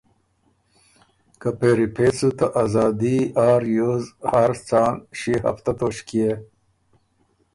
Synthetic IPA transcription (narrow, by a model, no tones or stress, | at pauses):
kapeːɾipʰesut̪aʔazɑːd̪iaːɾjoːzhaɾt͡saːnɕiɦɐ̰ft̪at̪oːɕkie